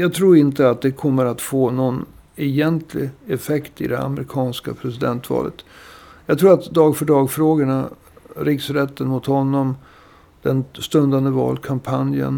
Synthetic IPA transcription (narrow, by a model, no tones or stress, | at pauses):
jɑːɡt̪ʰɾuːɾɪnt̪əat̪̚d̪ɛkʰɔmːəɾat̪foːnɔn | ɛjɛnt̪ʰlɪ̰ɛfɛkt̪ɪ̰d̪ɛ̰a̰mɾɪkʰɑːnskapʰɾɛsɪd̪ɛnt̪vɑ̰ːlʔət̪jɑːɡt̪ʰɾuːɾat̪d̪ɑːɡfœɖɾɑːɡfɾoːɡəɳa | ɾɪksɾɛt̪ːənmʊt̪hɔnːɔm | d̪̥ɛnst̪ɵnd̪and̪əvɑ̰ːlkʰampʰanjə̰n